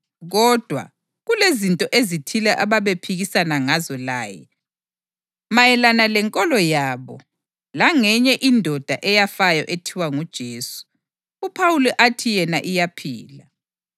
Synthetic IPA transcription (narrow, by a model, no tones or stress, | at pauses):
ɣɔd̥ʱwa̰ | ɣulezintʼɔʔezitʰilɛʔaβaβepʰiɣisanaŋazɔla̰ːjɛ̰ | majɛlanalɛŋkʼɔlɔjaːβɔ | laŋɛɲɛʔindʱɔd̥ʱaʔɛjafajɔʔetʰiwaŋud̥ʒ̥ʱeːsu̥ | upʰawulɛʔatʰijɛnaʔijapʰḭːla